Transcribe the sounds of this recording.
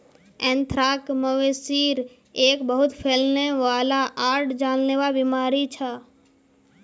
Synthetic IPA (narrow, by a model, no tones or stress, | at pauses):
ɛ̃nt̪ʰɾaːkməʋesiːɾ | eːkbəɦʊt̪pʰeːlneʋaːlaʔaːɾʈd͡ʒaːlneʋabimaːɾit͡ʃʰə